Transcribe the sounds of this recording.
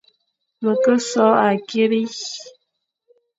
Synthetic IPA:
mə˨kə˦sɔ˨˦a˨ke˦bi˦

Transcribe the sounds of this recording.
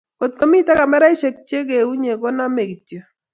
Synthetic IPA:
ko˨tko˦mi˦ta˦ka˨mɛ˦ɾa˦i˦ʃe˨k̚t͡ʃe˦k̬e˨u˦ɲe˨ko˦na˦me˨ki˨tjo˨

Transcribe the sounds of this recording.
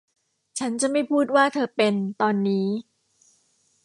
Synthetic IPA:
t͡ɕʰa˦˥nt͡ɕa˨˩ma˥˩jpʰuː˥˩t̪̚waː˥˩t̪ʰɤː˧pe˧nt̪ɔː˧nːiː˦˥

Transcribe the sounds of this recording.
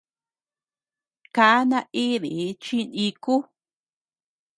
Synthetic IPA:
ka˧a˦nã˧ʔi˦ðḭ˨˦t͡ʃi˦˧nĩ˧ku˦

